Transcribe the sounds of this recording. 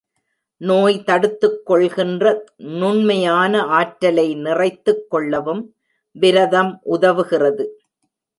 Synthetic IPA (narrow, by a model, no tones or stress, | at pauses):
noːjt̪ɐɽɯt̪ːɯkːɔɭɣɪndrɐnʊɳmɐjaːnɐʔaːʈɾɐlɐɪnɪrɐɪt̪ːɯkːɔɭːɐʋɯm | ʋɪɾɐðɐmʔʊðɐʋɯɣɪrɐðɯ